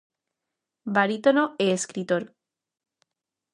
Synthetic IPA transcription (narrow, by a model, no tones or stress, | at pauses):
baɾit̪onoeːskɾit̪oɾ